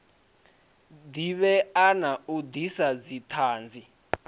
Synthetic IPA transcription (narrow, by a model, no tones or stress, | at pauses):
diβɛanaud̪isad͡zitʰaːnd͡zi